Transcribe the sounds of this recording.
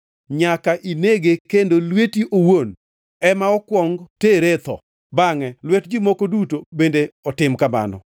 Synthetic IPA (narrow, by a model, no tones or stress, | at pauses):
ɲakaʔineɡekendolwetiʔowon | ɛmaɔkwɔŋɡteɾet̪ɔ̰ | baŋɛlwɛtd͡ʒimokodutobendeɔtɪmkama̰nɔ̰